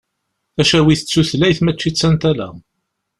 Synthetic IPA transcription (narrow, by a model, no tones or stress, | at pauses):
θæʃæwiθət͡sːuθlæjθmæt͡ʃːit͡sːænt̪ælæ̰